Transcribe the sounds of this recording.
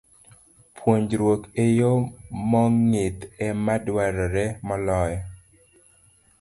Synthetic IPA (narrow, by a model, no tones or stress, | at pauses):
pʰwoɲd͡ʒɾwokejomɔŋɪt̪ɛmadwaɾɔɾɛmɔlɔjɔ